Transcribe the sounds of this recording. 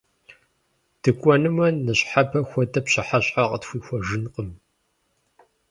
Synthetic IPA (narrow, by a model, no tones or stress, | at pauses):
d̥ɨkʷʼɔnɨmɐnːɨɕħapʰɐxʷɔtʰʼɐpɕɐħaɕʼħaqətxʷiːxʷɔʒɨnqʼəm